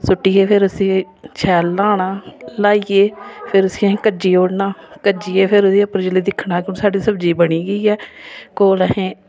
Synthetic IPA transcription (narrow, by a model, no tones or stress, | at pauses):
sʊʈːiːeːpʰɪɾəsĩː | t͡ʃʰɛːlːaːɽaːlaːieːpʰɪɾəsĩːəɦẽːkəd͡ʒiːoːɽnaːkəd͡ʒiːeːpʰɪɾʊdiːəpəɾd͡ʒəleːd̪ɪkʰɳãːkɪʊnsaːɖiːsəbd͡ʒiːbəɽ̃iːɡəiːɛːkoːləɦẽː